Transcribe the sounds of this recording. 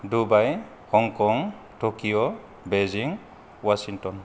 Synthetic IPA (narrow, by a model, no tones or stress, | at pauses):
dubaj | hɔŋkɔŋ | tokijɔ | beziŋ | wasiŋtɔn